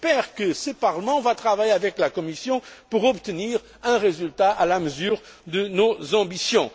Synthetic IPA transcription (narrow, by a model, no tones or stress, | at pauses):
pɛʁkəsəpaʁləmɑ̃vat̪χavajeavɛklakɔmisjɔ̃puʁɔbt̪əniʁ | ɛ̃ʁezylt̪aʔalaməzyːʁ | d̪ənozɑ̃bisjɔ̃